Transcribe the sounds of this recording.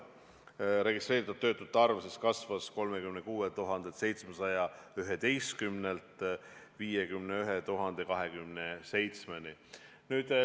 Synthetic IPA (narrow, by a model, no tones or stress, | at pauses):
ɾe̞ɡ̥ist̪re̞ːɾit̪ːɑd̥̪t̪ːøːt̪ːˑut̪ːɑrvese̞skɑsvɑsko̞lme̞kymnekuːet̪uɦɑnd̪ese̞jt̪sme̞sɑjɑyɦe̞d̪e̞jst̪̚kymnelt̪ˑ | viːjekymneyɦet̪uɦɑnd̪̥e̞kɑɦe̞kymnese̞jt̪smeni | nyːd̪̥